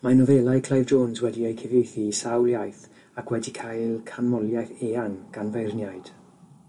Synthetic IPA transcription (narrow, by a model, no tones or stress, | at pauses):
manɔvɛlˠaɨkʰl̥ˠejvd͡ʒoːnzwɛdiejkʰɪvejθisawlˠjajθ | akʰwɛdikʰajlˠkʰanmɔlˠjajθeːaŋɡ̥anvejrnjajd̥